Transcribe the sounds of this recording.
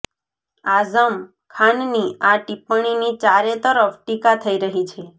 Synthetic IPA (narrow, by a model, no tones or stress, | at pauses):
azəm | kʰaɳniaʈipəɳ̃init͡ʃaɾet̪əɾəfʈikat̪ʰəiɾəɦit͡ʃʰe